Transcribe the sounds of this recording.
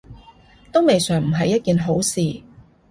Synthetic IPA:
t̪ʊ˥ŋme˨jsœː˨˩ŋm̩˨˩ɦɐ˨jːɐ˥t̚kiː˨nɦo˨˥wsiː˨

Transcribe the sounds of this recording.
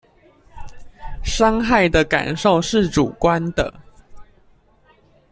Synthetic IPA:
ʂɑ˥ŋxa˥˩ɪd̪ə˨ka̰˨˩nʂo˥˨ʊʂɻ̩˥˨ʈ͡ʂu˨˩kwa˦nd̪ə̰˨

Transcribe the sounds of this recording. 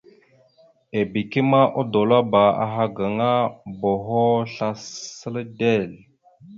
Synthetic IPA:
e˨bi˨ki˦ma˦ʔo˦do˨la˦ba˨a̰˨ɦa˦ɡa˨ŋa˦bo˨ɦo˦ɬa˦sə˦lde˦˨l

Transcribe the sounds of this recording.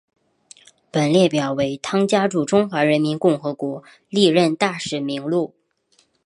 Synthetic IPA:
pə˨˩nljɛ˥˩pjɑ˨˩ʊwe˧˥ɪt̪ʰɑ˥ŋt͡ɕja˥ʈ͡ʂu˨˩ʈ͡ʂʊ˥ŋxwa˧˥ɻə˧˥nmi˧˥nkʊ˥˩ŋxɤ˧˥kwɔ˧˥ | li˥˧ɻə˥˧nt̪a˥˩ʂɻ̩˨˩mi˧˥ŋlu˥˩

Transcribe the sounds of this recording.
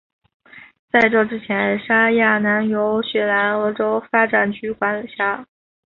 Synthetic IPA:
t͡sa˥˧ɪʈ͡ʂɤ˥˩ʈ͡ʂɻ̩˥t͡ɕʰjɛ˧˥nʂa˥ja˥˩na˧˥njo˧˥ʊɕɥɛ˥na˧˥nɤ˧˥ʈ͡ʂo˥ʊfa˥ʈ͡ʂa˥˩nt͡ɕʰy˥kwa˧˥nlə˨˩ɕja˥˩

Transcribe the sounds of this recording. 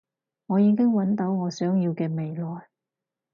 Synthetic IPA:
ŋɔː˨˧jiː˨˧ŋkɪ˥ŋwɐ˨˥nt̪o˨˥wŋɔː˨˧sœː˨˥ŋjiː˧wkɛː˧me˨˧jlɔː˨˩j

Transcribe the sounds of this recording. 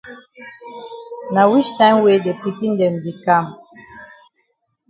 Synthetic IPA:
na˨wi˦ʃna˨˦we˦dɛ˨pi˨ti˦n˦dɛ˨nbi˨ka˦˨m

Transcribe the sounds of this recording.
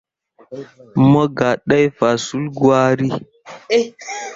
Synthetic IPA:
mə˦ɡa˨ɗa˦jfa˨su˦lɡwa˦ɾi˦

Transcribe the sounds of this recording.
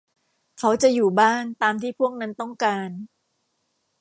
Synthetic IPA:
kʰa˦˥wt͡ɕa˨˩juː˨˩baː˥˩nt̪aː˧mt̪ʰiː˥˩pʰu˥˩ək̚na˦˥nt̪ɔ˥˩ŋkaː˧n

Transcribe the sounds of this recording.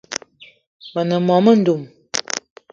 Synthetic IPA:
mə˨nə˨mɔ˨mə˦n̩˦du˨m

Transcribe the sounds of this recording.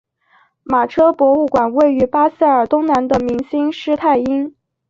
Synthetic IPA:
ma˨˩ʈ͡ʂʰɤ˥pwɔ˧˥u˥˩kwa˨˩nwe˥˩ɪy˧˥pa˥s̩˥˩ə˞˨˩t̪ʊ˥ŋna˧˥nd̪ə˧mi˧˥ŋɕi˥ŋʂɻ̩˥t̪ʰa˥˩ɪi˥ŋ

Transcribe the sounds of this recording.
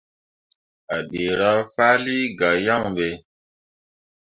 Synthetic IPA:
a˨ɓe˨ɾa˦faː˦li˦ɡa˨ja˦˨ŋbe˨

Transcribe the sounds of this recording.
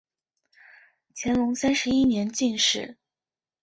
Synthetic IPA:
t͡ɕʰjɛ˧˥nlʊ˧˥ŋsa˥nʂɻ̩˧˥i˥njɛ˧˥nt͡ɕi˥˧nʂɻ̩˥˩

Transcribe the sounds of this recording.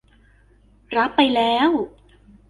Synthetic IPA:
ɾa˦˥pːa˧jlɛː˦˥w

